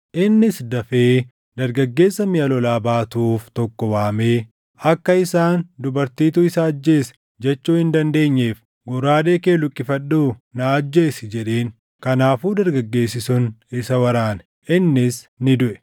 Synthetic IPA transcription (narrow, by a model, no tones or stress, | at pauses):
ʔɪnːɪsd̪ɐfeː | d̪ɐɾɡɐɡːe̞ːsːɐmɪjɐlɔlaːbaːt̪uːft̪ɔkːɔwaːmeː | ɐkːɐɪsaːnd̪ʊbɐɾt̪iːt̪uːɪsɐːd͡ʒːeːsɛ̥ | d͡ʒɛt͡ʃːuːhɪnd̪ɐnd̪e̞ːɲːeːf | ɡʊɾaːd̪e̞ːkeːlʊkʼːɪfɐɗːuːnaːd͡ʒːe̞ːsɪd͡ʒɛᶑe̞ːn | kɐnaːfuːd̪ɐɾɡɐɡːe̞ːsɪsʊnɪsɐwɐɾaːnɛ | ʔɪnːɪsnɪd̪ʊʔɛ̥